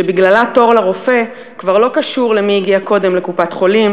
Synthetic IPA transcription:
ebiɡlalato̞ʁlaʁo̞fe̞ | kvaʁlo̞kaʃuʁle̞miiɡiako̞de̞mlekupatχo̞lim

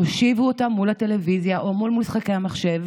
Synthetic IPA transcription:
hoʃivuotamːulate̞levizjaʔomulmusχakejamaχʃe̞v

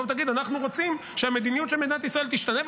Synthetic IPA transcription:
vt̪aɡid̪anaχnuʁo̞t͡sim | ʃeame̞d̪inijut̪ʃelmed̪inat̪isʁae̞lt̪iʃt̪anev

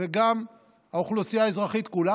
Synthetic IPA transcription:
eɡam | hauχlusijaezʁaχit̪kula

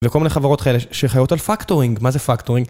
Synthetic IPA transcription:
vekolmineχavaʁot̪kʰaeleʃeχajotalfaktoʁiŋɡmazefakt̪oʁiŋɡ

